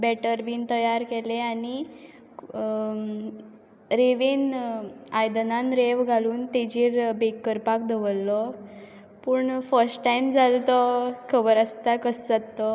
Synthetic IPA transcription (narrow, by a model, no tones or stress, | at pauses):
bɛʈəɾbiːnt̪əjaɾkɛleani | ɾeʋiːn | ajd̪nãnɾeʋɡʱaluːnt̪ed͡ʑiːɾbekːəɾpak̚d̪əʋəlːɔ | puɳfəɾsʈʈaimd͡zalt̪ɔkʰəbəɾast̪akəsd͡zat̪ːɔ